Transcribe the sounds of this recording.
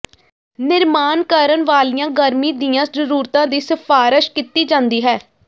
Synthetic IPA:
nɪɾmaːnkaːɾənʋaːlijãːɡəɾmiːd̪iːãːzəɾuːɾt̪ãːd̪iːsɪfʰaːɾɪʃkit̪iːd͡ʒãːnd̪iːɦɛː

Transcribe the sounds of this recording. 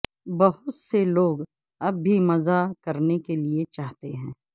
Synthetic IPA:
bɐɦʊt̪seloːɡ | ɐbːʱimɐzakɐɾnekeliet͡ʃaːɦt̪eɦɛ̃ː

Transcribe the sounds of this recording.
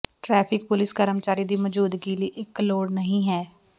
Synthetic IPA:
ʈɾɛːpʰɪkpʊlɪskəɾəmt͡ʃaːɾiːd̪iːməd͡ʒuːd̪ɡiːləːʔɪkloːɽnəɦĩːɦɛː

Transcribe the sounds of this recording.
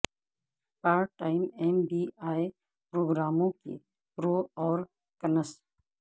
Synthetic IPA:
paːɾ̚ʈaːɪmɛːmbiːaːj | pɾoːɡɾaːmõkḛ | ɾoːɔːɾ | kɐnəs

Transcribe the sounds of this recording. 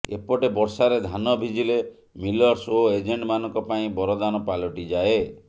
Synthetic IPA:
ḛpɔʈebɔɾsaɾed̪ʱanɔbʱid͡ʒile | milɔɾsoed͡ʒeɳʈmanɔ̃ŋkɔpaĩbɔɾɔd̪anɔpalɔʈid͡ʒae

